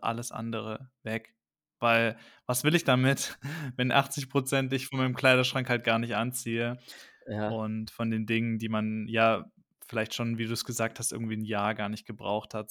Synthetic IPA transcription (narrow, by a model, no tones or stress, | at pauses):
ʔa̰ləsʔa̰ndəʁ̞əvɛk | vaɪl | vasv̥ɪlɪçd̥amɪtvɛnʔa̰χt͡sɪçpʁ̥ot͡sɛntɪçfɔnmaɪnəmkʰl̥aɪɾɐʃʁ̥aŋkhalt̚ɡ̥aːɐnɪçtʔant͡siːə | ʊntfɔndeːndɪŋəndiːmanjaː | fɪlaɪçtʃoːnviːduːsɡ̥əzaːk̚tʰast̚ɪ̰ɐɡŋ̩tv̥iːnjaːɐɡaːɐnɪçt̚ɡ̥əbʁa̰ʊxthat